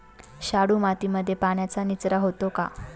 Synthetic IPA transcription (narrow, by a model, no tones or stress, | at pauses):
ɕaɽuːmat̪iməd̪ʱːjepaɳjat͡sanit͡sɾaɦot̪oka̰